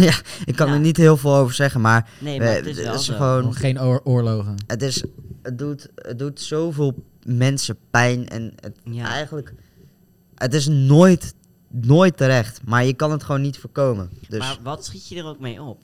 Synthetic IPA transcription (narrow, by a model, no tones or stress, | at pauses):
jaɪkkɑnəɹnitɦɪːlˠvɪːlˠowvəɹz̥ɛχənmaːɹn̰ | ɪsχəʋownχejnʊːɹloχəətɪsət̚dutə̰t̚dutsowvɪːlˠ | mɛnsəpɛjnɛ̰nə̰tɛjχənlək | ətɪs̬noːjt | noːjtːəɾɛχtmaːɹjəkɑnɦətχʋownːitfoːɹkowməndøsʋɑtsχitjədərowk̚mejɔp̚